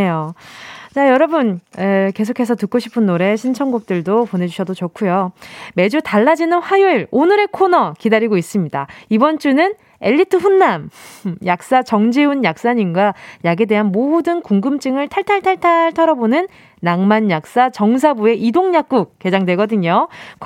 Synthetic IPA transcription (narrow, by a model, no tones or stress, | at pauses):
ejo | t͡ɕajʌɾʌbɯneke̞s̬ʰokʰe̞s̬ʰʌtɯk͈oɕʰi̥pʰɯnːoɾe̞ɕʰint͡ɕʰʌŋɡuk̚t͈ɯɭdopone̞d͡ʑuɕʰʌdot͡ɕokʰujome̞d͡ʑutaɭːad͡ʑinɯnɸwajuɭonɯɾe̞kʰonʌkidaɾiɡois͈ɯmɲidaibʌnt͡ɕ͈unɯn | e̞ʎːitʰɯɸunːamjak̚s͈at͡ɕʌŋd͡ʑiunjak̚s͈aɲinɡwajaɡe̞de̞ɦanmodɯnkuŋɡɯmt͡ɕ͈ɯŋɯɭtʰaɭtʰaɭtʰaɭtʰaɭtʰʌɾʌbonɯnː | aŋmanjak̚s͈at͡ɕʌŋs̬ʰabue̞ʔidoŋɲak̚k͈uk̚k͈ːe̞d͡ʑaŋdwe̞ɡʌdɯɲok